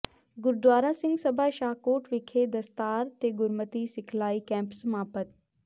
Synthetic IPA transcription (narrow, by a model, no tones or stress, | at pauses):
ɡʊɾd̪waːɾaːsɪ̃ŋɡsəbʱaːʃaːkoːʈʋɪkʰed̪ɐst̪aːɾt̪eːɡʊɾmət̪isɪkʰlaːikɛ̃ːmpsəmaːpət̪